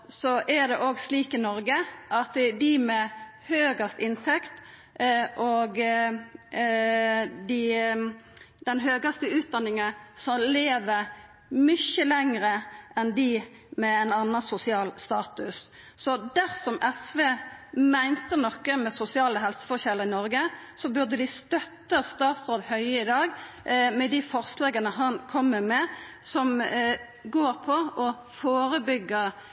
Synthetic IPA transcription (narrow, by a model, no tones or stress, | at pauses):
sɔʔæd̪ɛʔoːɡsliːkɪnɔɾɡəʔɑt̪d̪ɪmɛhøːɡɑst̪ɪnt̪ʰɛkt̪ | ʔoɡ | d̪ɪ | d̪̥ɛnɦøːɡɑst̪əʉːt̪̚d̪ɑnːɪŋəsɔleːʋəɾ | mʏçəlɛŋʁəʔɛnd̪ɪ | mɛæɪnɑnːɑsʊsɪɑːlst̪ɑːt̪ʉsː | ɔd̪æʁsɔmʔɛsʋeːmæɪnt̪ənɔkːəmɛsʊsɪɑːləɦɛlsə̥fɔçɛlːəʁɪnɔɾɡə | sɔbʉʁd̪əd̪ɪst̪œt̪ːəst̪ɑːt̪sʁoːd̪hœʏəɪd̪ɑːɡ | mɛd̪ɪfɔɾslɑːɡənəɦɑnkʰɔmːəmɛ | sɔm | ɡoːɾpʰɔʔɔ | foːɾəbʏɡːəɾ